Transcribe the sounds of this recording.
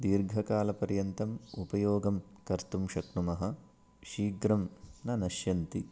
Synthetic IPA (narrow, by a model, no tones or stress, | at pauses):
d̪iːɾɡʱɐkaːlɐpɐɾjɐnt̪ɐmupɐjoːɡɐmkɐɾt̪umʃɐknumɐɦɐ | ʃiːɡɾɐmnɐnɐʃjɐnt̪i